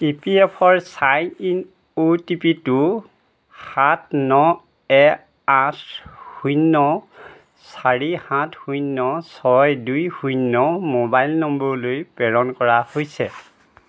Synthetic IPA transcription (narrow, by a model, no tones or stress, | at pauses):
ipiɛpʰɔɹsajin | utipitu | xat̚nɔ | ɛ | athujnːɔ | saɹihãtʰhujnːɔsɔjdujhujnːɔmobajlnɔmbɔɹlojpɛɹɔnkɔɹahojsɛ